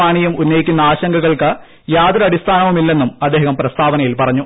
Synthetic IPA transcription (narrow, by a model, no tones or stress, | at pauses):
aːɳijumunːɐjikʲːunːɐaːɕɐŋɡɐɣɐɭkɨ | jaːd̪ɾɐɐɽist̪ʰaːnɐʋumilːe̞nːumɐd̪ːeːhɐmprɐst̪ʰaːʋɐnɐjilpɐrɐɲːu